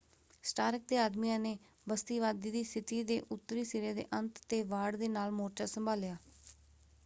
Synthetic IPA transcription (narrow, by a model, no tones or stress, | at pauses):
sʈaːɾk̚d̪eːaːd̪miːãːneː | bəst̪iːʋaːd̪iːd̪iːsɪt̪iːd̪eːʔʊt̪ːɾiːseːɾaːd̪ḛːʔənt̪ːeːʋaːɖd̪eːnaːlmoːɾʈaːsəmbʱaːlɪjaː